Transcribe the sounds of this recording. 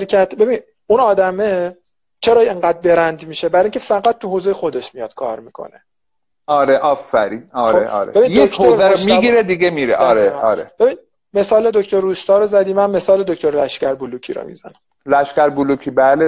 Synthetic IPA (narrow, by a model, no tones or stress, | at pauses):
ɾcʰæt̪ʰbe̞bin | unɒːd̪æme | t͡ʃʰeɾɒːeŋɢæːd̪̚be̞ɾænd̪miːʃebæɾiŋcʰefæɡæt̪̚ʰːuɦozejexo̞d̪eʃmijɒd̪̥kʰɒ̰ːɾmiːkʰo̞̰ne | ɒːɾeʔɒːfːæɾiːnɒːɾoeɒ̰ːɾe̥e̞binjddeokʰhoːzæɾomiɡiɾed̪iɡemiɾeʔɒːɾeɒːɾeb̥e̞bid̪ | me̞sɒːle̞d̪oct̪oɾuːst̪ɒːɾozæd̪iːmænme̞sɒːle̞d̪oct̪oɾlæʃcæɾbulucʰḭːɾo̰mḭzæ̰næm | læʃkæɾbulukʰibæːle